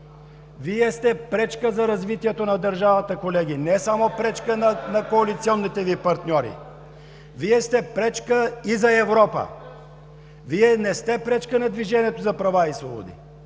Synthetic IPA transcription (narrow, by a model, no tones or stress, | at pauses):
viɛst̪ɛpɾɛt͡ʃkəzɐɾɐzvit̪iɛt̪onɐd̪əɾʒavət̪əkolɛɡ̟inɛsamopɾɛt͡ʃkənɐnɐkoɐlit̪siɔnːit̪ɛvipɐɾt̪nʲɔɾḭ | viɛst̪ɛpɾɛt͡ʃkəizɐɛvɾɔpə̰ | viɛnɛst̪ɛpɾɛt͡ʃkənɐd̪viʒɛniɛt̪ozɐpɾɐvaisvɔ̰bo̰d̪ḭ